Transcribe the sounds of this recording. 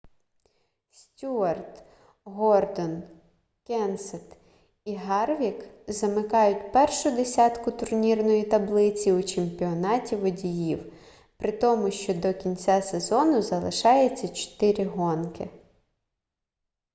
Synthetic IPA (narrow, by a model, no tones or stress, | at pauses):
sʲtʲuɐrt̪ | ɦɔrd̪ɔn | kʲɛnsɛt̪ | iɦɑrʋʲikzɐmɪkɑjʊtʲpɛrʃʊd̪esʲɑt̪kʊt̪ʊrnʲirnɔjit̪ɐblˠɪt͡sʲiʊt͡ʃemʲpʲiɔnɑtʲiʋɔdʲijiw | pɾɪt̪ɔmʊʃt͡ʃɔd̪ɔkʲinʲt͡sʲasezɔnʊzɐlˠɪʃɑjɛt͡sʲːɐt͡ʃɔ̥t̪ɪɾʲɪɦɔnkɪ